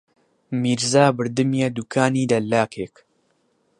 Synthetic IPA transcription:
miːɾzaːbɨɾd̪ɨmjɐd̪uːkʰaːniːd̪ɐlːaːkeːk

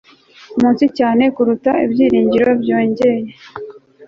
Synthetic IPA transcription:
umuːnsicaːnekuɾutaḭbɟiːɾiːɲɟiɾo̞bɟo̞ːɲɟe̞je̞

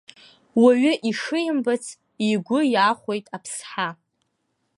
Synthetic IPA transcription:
waɥʏʔiʂɨjɪmbat͡sʰ | iɡʷʊjaχʷo̞jtʼapʰsħa

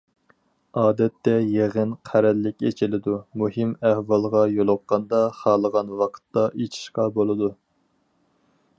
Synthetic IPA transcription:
ɑːd̪ɛt̪ːɛjeʁənqʰæɾɛlːɪkʲet͡ʃʰilɪd̪umuhɪmæhwɑlˠʁɑjolˠʊqːɑnd̪ɑχɑːlˠəʁɑnwɑqʰə̥t̪ːɑʔet͡ʃʰi̥ʃqɑbolˠɨd̪u

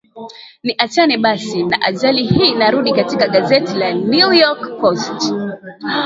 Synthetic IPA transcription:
niʔat͡ʃaniɓasinaʔaʄalihiːnaɾuɗikatikaɠazɛtilanujɔkːɔst

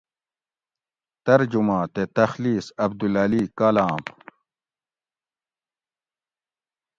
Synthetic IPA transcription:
t̪ɐɾd͡ʑumãːt̪et̪ɐxliːsɐb̚d̪ulɐlikɐlaːm

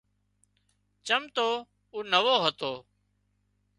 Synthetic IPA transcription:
t͡ʃəmt̪oː | uːnəʋoːɦət̪oː

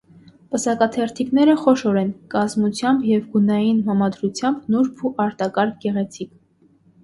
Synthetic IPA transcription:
pəsɑkɑt̪ʰɛɾt̪ʰiknɛɾəχɔʃɔɾɛnkɑzmut͡sʰjɑmbjɛvɡunɑjinɦɑmɑd̪ɾut͡sʰjɑmbnuɾpʰuʔɑɾt̪ɑkɑɾk̚ʰɡɛʁɛt͡sʰik

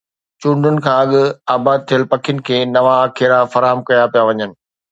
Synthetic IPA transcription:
t͡ɕũːɳɖʊnɪ̆kʰãːɐɠʊaːbaːd̪̚t̪ʰijəlpɐkʰijʊnɪ̆kʰeːnɐʋaːkʰeːɾafɐɾaːɦəmkɐjapijaʋɐɲənɪ̆

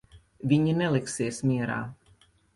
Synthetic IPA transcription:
viɲɛnɛlɪksɪɛsmiːɾa̰

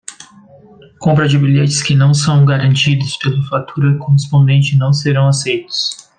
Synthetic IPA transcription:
kõmpɾɐd͡ʒɪbiʎet͡ʃɪ̥skɪnɐ̃w̃sɐ̃w̃ɡaɾɐ̃nt͡ʃid̪ʊspelʊfat̪uɾɐkoɦespõd̪ẽnt͡ʃɪnɐ̃w̃seɾɐ̃w̃asejt̪ʊ̥s

